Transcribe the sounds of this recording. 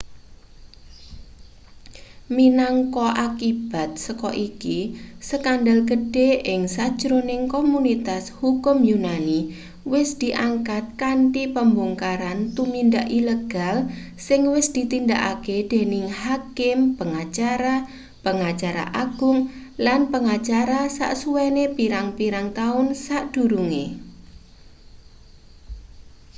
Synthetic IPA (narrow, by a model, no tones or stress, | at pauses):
minɔŋkɔʔakib̥a̤t̪̚səkɔ̰ʔikisəkandalɡəd̥eɪŋsad̥ʒ̥ɾonɪŋkomunit̪ashukʊmjunani | wɪsd̪̥i̤ʔaŋkat̪̚kaɳʈipəmbuŋkaɾant̪umindaʔileɡ̥al | sɪŋwɪsd̪̥i̤t̪ind̪aʔa̰ked̪̥e̤nɪŋhakɪmpəŋat͡ʃaɾa | pəŋat͡ʃaɾa̰ʔaɡ̥ʊŋ | lanpəŋat͡ʃaɾasa̰ʔsuwenepiɾaŋpiɾaŋt̪aʊnsaʔd̪̥ṳɾuŋḛ